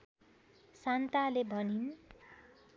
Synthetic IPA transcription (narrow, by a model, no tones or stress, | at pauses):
sant̪alebʱʌnin